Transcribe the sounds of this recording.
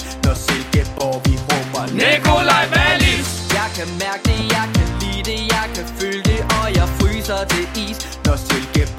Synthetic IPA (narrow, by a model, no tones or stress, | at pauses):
nɒselɡ̥eɒʋiʁɔb̥ɐnekolaɪbæli | jɑ̈ɪkʰæmæɐɡ̥̚d̥e̝jɑ̈ɪkʰæliːd̥e̝jɑ̈ɪkʰæføld̥e̝ʔɒ̽jɑ̈ɪfʁyːsɐt͡sʰe̝ḭːs | nɒselɡ̥e